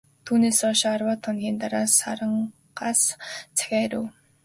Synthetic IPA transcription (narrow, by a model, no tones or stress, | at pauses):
t̪ʰuːneːsɔʃarwaːt̪ʰɔnxʲiːnt̪aɾaːsa̰ɾə̆ɴ | ɢaːst͡sʰæ̥xʲæːɾṵw